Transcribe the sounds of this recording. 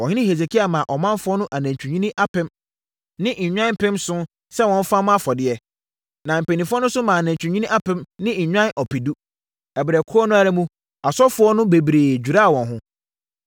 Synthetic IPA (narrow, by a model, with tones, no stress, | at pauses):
wɔ̃˨hɪ̃˦nɪ̃˦he˨se˨kʰi˦a˨mã˨ʔɔ˨mã˦nfʊ˦ɔ˦nʊ̃˦ʔa˨næ̃˨ɲ˨t͡ɕʰᶣũ˨ɲĩ˦nĩ˦ʔa˦pɪ̃˦m | nɪ̃˦ʔɲ̩˨ɲᶣã˦nm̩˦pʰɪ̃˦msʊ̃˦ | sɛ˦wɔ̃˨m̩˦fa˦m̃˦a˦fɔ˨dɪ˦ɛ˦ | nã˨m̩˨pe˨nĩ˨fʊ˦ɔ˦nʊ̃˦sʊ˦mã˨a˨næ̃˨ɲt͡ɕᶣũ˨ɲĩ˦nĩ˦ʔa˦pɪ̃˦mnɪ̃˦˨ɲᶣã˦nʔɔ˨pʰi˨du˦ | ɛ˨bɪ˨ɾɛ˨kʰʊ˦ɔ˦nʊ̃˦a˨ɾæ˦mũ˦ | a˨sɔ˦fʊ˦ɔ˦nʊ̃˦be˨bɾeː˨d͡ʑᶣu˨ɾa˦a˨wɔ̃˨nɦʊ̃˦